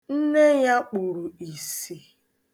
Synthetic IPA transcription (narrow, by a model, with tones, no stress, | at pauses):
n̩˦ne˦ja˦k͡pu˨ɾu˨i˨si˨